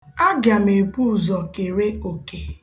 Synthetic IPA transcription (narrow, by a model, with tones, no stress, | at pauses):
a˦ɡa˨me˨pu˦˨zɔ˨ke˨ɾe˦o˨ke˨